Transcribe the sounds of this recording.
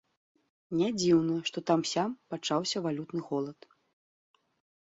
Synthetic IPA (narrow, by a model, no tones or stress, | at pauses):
nʲad͡zʲiwnɐʂt̪ɔt̪amsʲampat͡ʂawsʲɐvalʲut̪nɨɣɔlˠɐt̪